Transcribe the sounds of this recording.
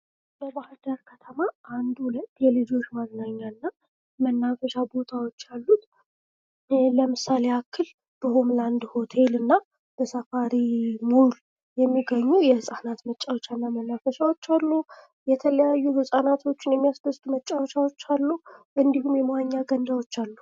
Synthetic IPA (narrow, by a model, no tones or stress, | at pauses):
bəbahd̪əɾkʰət̪ʰəmaʔand̪hulət̪ːjɛlɨd͡ʒo̞t͡ʃmaɡnaɲːaɨnːa | mənːafəʃabo̞t̪ʰawo̞t͡ʃːalːut̪ | ləmɨsːaleakʰːɨl | b̥ɨhumland̪ho̞t̪ʰe̞lɨnːa | b̥əsafaɾimul | jɛmːiɡəɲːujɛhɨsʼanat̪mət͡ʃʼːawot͡ʃːanːamənːafəʃawo̞t͡ʃːalːu | jɛt̪ʰələjajːubəsʼanat̪ʰo̞t͡ʃːɪnjɛmːijasd̪əst̪ʼumət͡ʃʼːawot͡ʃːawot͡ʃːalːuʔɨnd̪ihumjɛmwaɲːaɡənd̪awo̞t͡ʃːalːu